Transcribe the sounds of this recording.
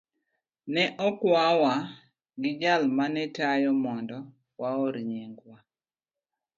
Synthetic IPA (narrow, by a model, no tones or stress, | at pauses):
nɛʔɔkwawa | ɡɪd͡ʒalmanɛtajɔmɔndɔ | waoɾɲeŋɡwa